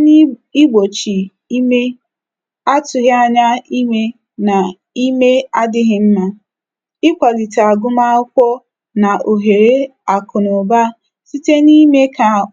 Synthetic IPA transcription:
i˦ɡ͡bo˨t͡ʃi˨ | i˦me˦ | a˦tʊ˨ɦa˦ɲa˦i˦me˦ | na˨ | i˦me˦a˦dɪ˦ɦɪ˦m̩˦ma˦ | ɪ˦kʷa˨ɡi˨ta˨ɡʊ˦ma˦ʊ˦kʷɔ˦ | na˨o˨ɦe˨ɾe˦ | a˨kʊ˨nɔ˨ba˦ | si˦te˦ni˦me˦ka˨

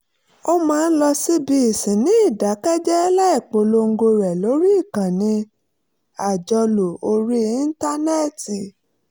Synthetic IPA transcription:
o˦mãː˦˧n̩˦lɔ˧si˦bi˧˦i˦˨sĩ˨nĩ˦i˦˨da˨˦kɛ˦d͡ʒɛ˦la˦i˦˨k͡po˨˦lo˧ŋ̩˦ɡo˧ɾɛ˨lo˨˦ɾi˦i˦˨kã˨nĩ˧ | a˨d͡ʒɔ˧lo˨o˧ɾi˦i˦n̩˦ta˦nɛ˦˨ti˨

